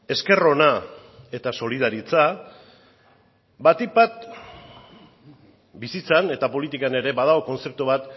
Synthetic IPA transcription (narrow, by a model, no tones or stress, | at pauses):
e̞ske̞ro̞nae̞t̪aso̞liðaɾit͡sa | bat̪ibat̪ | bisit͡sane̞t̪apo̞lit̪ikane̞ɾe̞βað̞aoko̞nt͡se̞p̚t̪uβat̪